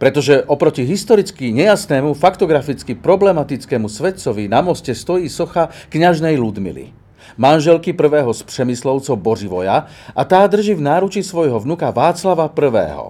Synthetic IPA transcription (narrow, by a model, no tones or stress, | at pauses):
pɾɛt̪ɔʒɛʔɔpɾɔciɦist̪ɔɾit͡skiɲɛjasnɛːmufakt̪ɔɡɾafit͡skipɾɔblɛmat̪it͡skɛːmusʋɛt̪t͡sɔʋinamɔscɛst̪ɔjiːsɔxakɲaʒnɛjlud̪mḭlḭ | manʒɛlkipr̩ʋɛːɦɔspr̥ɛmislɔʊt͡sɔʊbɔriʋɔja | ʔat̪aːd̪r̩ʒivnaːɾut͡ʃisʋɔjɦɔʋnukaʋaːt͡slaʋapr̩ʋɛ̰ːɦɔ̰